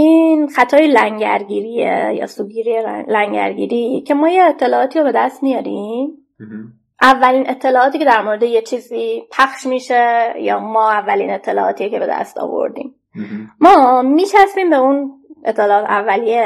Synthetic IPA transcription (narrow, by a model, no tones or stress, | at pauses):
ʔiːnxæt̪ʰɒːjelæŋɟæ̰ɾɟiːɾiːjḛjɒ̰ːsuːɡiːɾiːelæŋɟæ̰ɾɟḭːɾiːcʰe̞mɒːjeːt̪ʰːe̞lɒːɒːt̪ʰiːɾobe̞d̪æst̪mijɒːɾim | ʔævːæliːnʔe̞t̪ʰːe̞lɒːɒːt̪iːcʰed̪æɾmoɾed̪ejet͡ʃʰiːziːpʰæxʃmiːʃejɒ̰ːmɒːævːælḭːne̞t̪ʰːe̞lɒ̰ːʔɒːt̪ʰiːcʰe̞be̞d̪æ̰st̪ɒ̰ːvo̰ɾd̪ḭːm | mɒːmiːt͡ʃʰæsbiːmbe̞unʔet̪ʰːe̞lɒːɒːt̪ʰævːælije